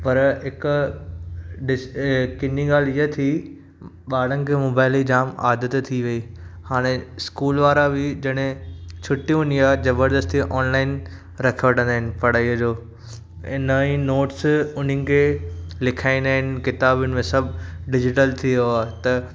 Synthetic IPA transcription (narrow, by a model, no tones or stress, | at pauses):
pɐɾɦɪkʊ | ɖɪkɪniɡaːl̤ijət̪ʰi | ɓaːɽənɪ̆kʰeːmoːbaːɪlid͡ʑaːma̰ːd̪ət̪t̪ʰːiʋɐiː | haːɽ̃eskuːlʋaːɾabɪd͡ʑɐɽ̃ẽt͡ɕʰʊʈij̃ʊniaːd͡ʑɐbəɾd̪əst̪iʔɔːnlaːɪn | ɾɐkʰiʋəʈʰə̃nd̪aːɦɪnɪ̆pɐɽ̤aːid͡ʑoː | ɪnəĩnoːʈsʊn̤ənɪ̆kʰeːlɪkʰaːĩnd̪aːɦɪnɪ̆kɪt̪aːbənɪ̆mẽsɐbʱɖɪd͡ʑɪʈəlt̪ʰijoaːɦet̪ɐ